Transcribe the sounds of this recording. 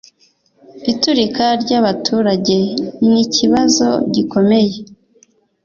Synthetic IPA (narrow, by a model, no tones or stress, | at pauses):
ituɾikaɾɟaβatʰuːɾaɟe̞niciβazo̞̰ɟiko̞me̞je̞